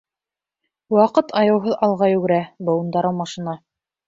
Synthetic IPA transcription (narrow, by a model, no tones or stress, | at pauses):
wɑqɤt̪ʰɑjɤ̆wɦɤðɑlˠʁɑjʉɡɘ̆ɾæbɤ̆wŭnd̪ɑɾɤwmɑʃinɑ